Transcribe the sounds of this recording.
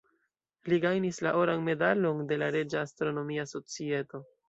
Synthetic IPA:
liɡajnislaʔo̞ɾanme̞dalo̞nde̞laɾe̞d͡ʒaːstɾo̞no̞miaso̞t͡sie̞to̞

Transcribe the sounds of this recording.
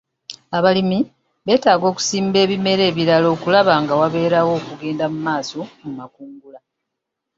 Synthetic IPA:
aβalimi | βe̞ːtaːɡo̞ːku̥siːmbe̞ːβime̞ɾe̞ːβiɾalo̞ːkulaβaːŋɡawaβe̞ːɾawo̞ːkuɡe̞ːndamumaːso̞mumakuːŋɡula

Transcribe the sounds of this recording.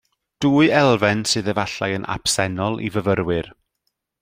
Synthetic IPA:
d̥uːɨɛlˠvɛnsɨːðɛvaɬa̰jənʔa̰psɛnɔlˠʔḭvəvəɾwɪr

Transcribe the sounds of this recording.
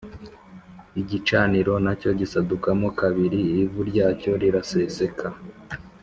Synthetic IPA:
iɟit͡ʃaːniɾo̞naco̞ɟisadukamokaβiɾiːvuɾɟaːco̞ɾiɾase̞se̞kʰa

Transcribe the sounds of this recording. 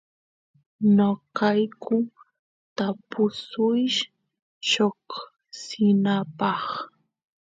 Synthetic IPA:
nokajkʰʊ | t̪apʊsʊjʃ | ʃok | sɪnapɑχ

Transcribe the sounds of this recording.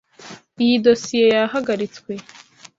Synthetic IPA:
ijido̞sije̞jaɦaɡaɾit͡skwe̞

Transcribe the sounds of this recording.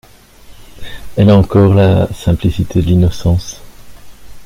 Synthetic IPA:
ɛlaɑ̃kɔʁlasɛ̃plisit̪ʰed̪əlinɔsɑ̃s

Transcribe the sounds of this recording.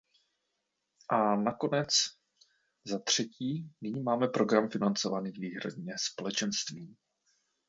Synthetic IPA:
ʔanako̞nɛt͡s | zat̪r̝̥ɛciːnɪɲiːmaːmɛpɾo̞ɡɾamfɪnant͡sovaniːviːɦɾa̰dɲɛspo̞lɛt͡ʃɛnst̪viː

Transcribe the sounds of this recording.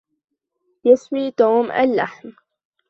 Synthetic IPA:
jɪswiːt̪oːmʔa̰lːa̰ħm

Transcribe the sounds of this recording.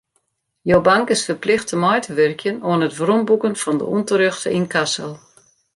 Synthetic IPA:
jobaŋkɪsfərplɪxtəmɔjtʰəʋɛrkjənoənətʋrombukənfɔndə̰untəɾøxtə̰inkasəlˠ

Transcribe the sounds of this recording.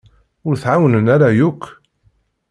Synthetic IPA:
ʊɾθʕawnənaɾajʊkː

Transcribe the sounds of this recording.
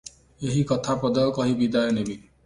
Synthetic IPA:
eɦikɔt̪ʰapɔd̪ɔkɔɦibid̪ajɔnebi

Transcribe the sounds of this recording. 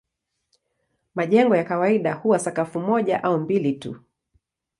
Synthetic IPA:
maʄɛŋɡɔjakawaiɗahuwasakafumɔʄaʔaumbilitṵ

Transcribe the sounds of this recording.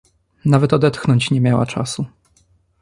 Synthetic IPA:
navɛt̪ɔd̪ɛt̪xnɔɲt͡ɕɲɛmʲjawa̰t͡ʂasu

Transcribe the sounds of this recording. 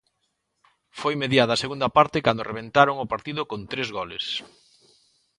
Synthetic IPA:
fojmeðjaðɐseɣund̪ɐpaɾt̪ɪkand̪ʊrʔeβ̞ẽnt̪aɾoŋʊpaɾt̪iðʊkont̪ɾezɣɔlḛs

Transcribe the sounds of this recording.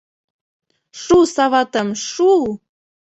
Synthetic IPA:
ʃusɑβɑt̪əmʃu

